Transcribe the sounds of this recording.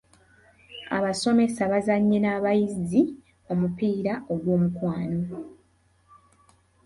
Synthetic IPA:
a̰βaso̞me̞saβazaɲːe̞naːβajizi | o̞mupiːɾaʔo̞ɡwo̞ːmukwaːno̞

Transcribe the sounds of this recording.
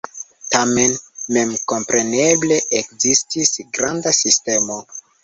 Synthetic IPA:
tame̞nme̞mko̞mpɾe̞ne̞ble̞ʔekzistisɡɾandasiste̞mo̞

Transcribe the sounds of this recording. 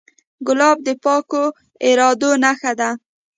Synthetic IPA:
ɡʊlɑb̚d̪əpɑko | eɾɑd̪onaxad̪a

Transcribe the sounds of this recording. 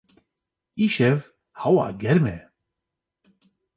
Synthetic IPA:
iʃɛv | hawa̰ɡɛɾmɛ

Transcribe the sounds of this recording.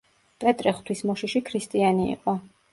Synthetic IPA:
pʼɛt̪ʼɾɛχt̪ʰwismɔʃiʃikʰɾist̪ʼianḭːqʼɔ

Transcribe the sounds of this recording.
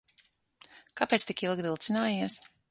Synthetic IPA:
kapeːt̪st̪ikilˠɡvilˠt̪sinaːjiɛs

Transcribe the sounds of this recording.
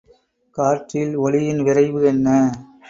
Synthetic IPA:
kaːɾʈrɪlɔlɪjɪnʋɪɾɐɪʋɯɛnːɐ

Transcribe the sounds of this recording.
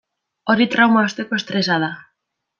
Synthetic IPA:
ɔɾit̪ɾawmaost̪ekoest̪ɾesaða

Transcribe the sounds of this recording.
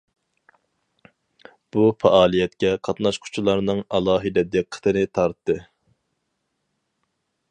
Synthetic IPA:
b̥ufɛʔɑːlˠijɛt̪kʲɛqʰɑt̪nɑʃqʰʊ̥t͡ʃʰulˠɑɾnɨŋɑlˠɑːɦɨd̪ɛd̪eqʰːə̥t̪ʰɨnɪt̪ʰɑɾt̪ːɨ

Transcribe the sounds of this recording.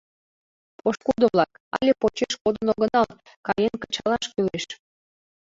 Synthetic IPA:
poʃkud̪oβlɑk | ɑ̰lʲepot͡ɕeʃkod̪ənoɣənɑl | kɑjenkə̥t͡ɕɑlɑʃkyleʃ

